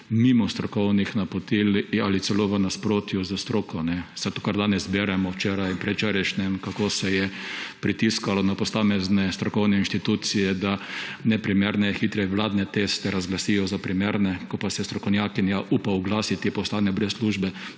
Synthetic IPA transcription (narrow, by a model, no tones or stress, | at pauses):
mimɔst̪ɾɔkɔwnixnapɔt̪ilalit̪sɛloʋənaspɾoːt̪juzəst̪ɾoːkɔnɛsat̪okaɾd̪aːnɛzbɛɾɛmɔwt͡ʃeːɾajpɾɛt͡ʃɛɾɛʃnɛmkakoːsɛjɛpɾit̪iskalɔnapɔsaːmɛznɛst̪ɾɔkɔwnɛinʃt̪it̪ut̪sijɛd̪anɛpɾimɛɾnɛxiːt̪ɾɛʋlaːd̪nɛt̪est̪ɛɾazɡlasijɔzapɾimeːɾnɛkɔpasɛst̪ɾɔkɔwnjaːkinjaʔupaʊɡlaːsit̪ipɔst̪anɛbɾɛssluʒbɛ